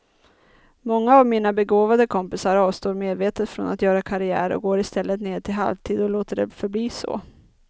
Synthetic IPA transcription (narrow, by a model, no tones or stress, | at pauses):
mɔŋːaːvmiːnabɛɡoːvad̪əkʰɔmpɪsaɾɑːvst̪oːɾmeːd̪veːt̪ət̪fɾɔ̰nʔa̰t̪jœːɾakʰaɾɪæ̰ːɾɔ̰ɡoːɾɪst̪ɛlːət̪neːʈ̪ʰɪlɦa̰lvt̪ʰiːd̪ɔloːt̪əɖɛ̰fœɾbliːsɔ̰